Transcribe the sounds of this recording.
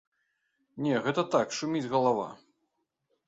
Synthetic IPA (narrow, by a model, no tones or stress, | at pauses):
nʲɛɣɛt̪ɐt̪akʂumʲid͡zʲɣɐlˠava̰